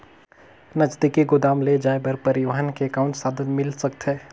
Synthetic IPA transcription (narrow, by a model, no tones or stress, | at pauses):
nɐt͡ʃd̪ikeɡʊd̪aːmled͡ʒaːebɐɾpɐɾɪʋəɦənkeːkaːʊ̃ɳʈsaːd̪ənmɪlsɐkt̪ɦeː